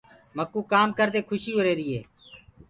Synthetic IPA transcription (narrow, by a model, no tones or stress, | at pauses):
məkːuːkaːmkəɾd̪eːkʰʊʃiːɦoːɾeːɾɪːeː